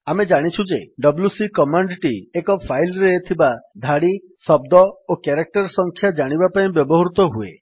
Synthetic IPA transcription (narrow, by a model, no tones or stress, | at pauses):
amed͡ʒaɽ̃it͡ʃʰud͡ʒeɖɔblusikɔmaɳɖʈiekɔpʰajlɾeːt̪ʰibad̪ʱaɽi | sɔb̚d̪ɔokaɾak̚ʈɔɾsɔŋkʰjad͡ʒaɽ̃ibapaĩbjɔbɔɦɾut̪ɔɦuḛ